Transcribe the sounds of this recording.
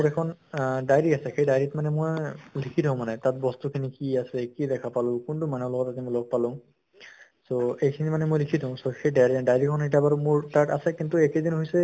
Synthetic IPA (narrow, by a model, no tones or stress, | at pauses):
ɔɹɛkʰɔndajɹiasɛxejdajɹitmanɛmojlikʰidtɔʊ̃manɛtat̚bɔstukʰinikiasɛkidɛkʰapalʊ̃kuntumanɛlɔɡɔtaimɔjloɡ̚palʊ̃ | soejkʰinimanɛmojlikʰitɔʊ̃soxejdajɹidajɹikʰɔnɦijt̬abaɹmuɹtaɹʈasɛkintuɛkedinɦojsɛ